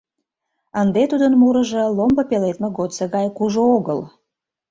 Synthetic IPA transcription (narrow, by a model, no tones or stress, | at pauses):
ənd̪et̪ud̪ənmuɾəʒelombəpelet̪meɣot̪seɣɑjkuʒooɣəl